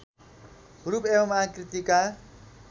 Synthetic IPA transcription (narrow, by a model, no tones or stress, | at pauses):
huɾupebʌmãkrit̪ika